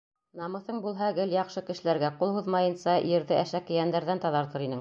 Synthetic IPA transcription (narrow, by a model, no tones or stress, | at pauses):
nɑmɤ̆θɤɴbulˠɦɑɡɘljɑqʃɤkɘ̆ʃɘ̆læɾɡæqulˠhuðmɑjɤ̆nsɑjɘ̆ɾðɘʔæʃækɘ̆jænd̪æɾðænt̪ɑðɑɾt̪ɤɾinɘŋ